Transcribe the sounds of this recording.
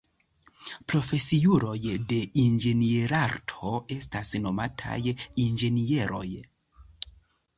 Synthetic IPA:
pɾo̞fe̞siuɾo̞jde̞ind͡ʒe̞nieɾaɾtʰo̞e̞stasno̞matʰa̰jind͡ʒe̞nie̞ɾʔo̞̰j

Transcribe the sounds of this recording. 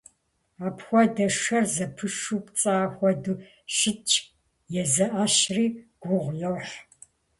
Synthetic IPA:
aːpxʷɔdɐʂɐrzɐpʰɨʂuːpt͡sʼaːxʷɔduː | ʃɪt͡ʃʰʼ | jɛzɐʔaːʃriːɡ̥ʷʊʁʷjɐwħ

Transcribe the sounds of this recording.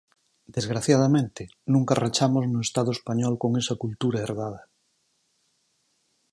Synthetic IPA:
d̪̥ezɣɾaθjað̞amẽnt̪ɪ | nũŋkarat͡ʃamoznoest̪að̞oespaɲɔlkoŋesakult̪uɾaeɾβað̞a

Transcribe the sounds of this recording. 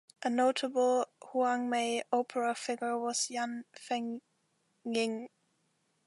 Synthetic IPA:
ʔənoʊtʰəbl̩ˠhuãŋmeɪoʊpʰəɹəfɪɡə˞wʌz̥jãnfɪ̃ŋ | ɪ̃ŋ

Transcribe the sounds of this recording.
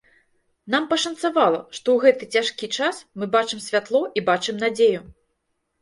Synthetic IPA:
n̪ampɐʂɐnt̪savalˠɐʂt̪ɔwɣɛt̪ɨt͡sʲaʂkʲit͡ʂasmɨbat͡ʂɨmsʲvʲat̪lˠɔʔibat͡ʂɨmnad͡zʲeju

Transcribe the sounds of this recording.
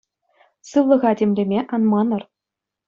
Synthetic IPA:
sɯʋlˠɤ̆ʁɑdʲemʲlʲemʲeʔɑnmɑnɤ̆r

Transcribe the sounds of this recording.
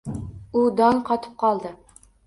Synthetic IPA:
ud̪ɑnqʰɑt̪ʰɨ̥p̚qʰɑlˠd̪ɨ

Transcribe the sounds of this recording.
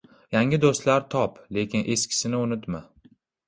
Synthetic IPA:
jaŋʲɪd̪ost̪laɾt̪ʰɒple̞kʲɪnʔe̞skʲʰɪ̥sɪnɪʊnɪt̪ma

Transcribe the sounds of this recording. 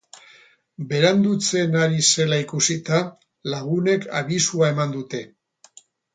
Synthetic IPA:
be̞ɾand̪ut͡se̞naɾise̞laikusit̪a | laɣ̞une̞kʰa̰βisuae̞mand̪ut̪e̞

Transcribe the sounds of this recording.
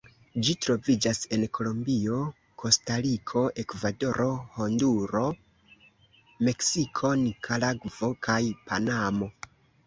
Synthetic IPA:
d͡ʒitɾo̞vid͡ʒase̞nkʰo̞lombio̞ | kʰo̞staɾikʰo̞ʔe̞kvado̞ɾʔo̞honduɾo̞ | me̞ksikʰo̞nikʰalaɡvo̞kʰajpʰanamo̞

